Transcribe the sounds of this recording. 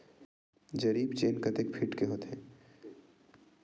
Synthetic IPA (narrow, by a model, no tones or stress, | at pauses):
d͡ʒɐɾiːbt͡ʃeːnkɐt̪ekpʰɪʈkeɦoːt̪ɦɛ̃ː